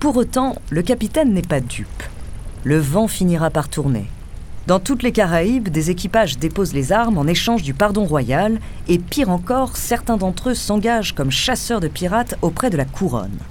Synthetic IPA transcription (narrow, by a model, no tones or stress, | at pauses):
puʁot̪ɑ̃ləkapit̪ɛnːɛpad̪ypləvɑ̃finiʁapaʁt̪ʰuʁnḛ | d̪ɑ̃t̪ut̪lekaʁaibd̪ezek̬ʲipaʒd̪epozlezaʁmɑ̃neʃɑ̃ʒd̪ypaʁd̪ɔ̃ʁwajal | epiʁɑ̃kɔʁsɛʁt̪ɛ̃d̪ɑ̃t̪χøsɑ̃ɡaʒkɔmʃasœʁd̪əpiʁat̪opχɛd̪əlakʰuʁɔ̰n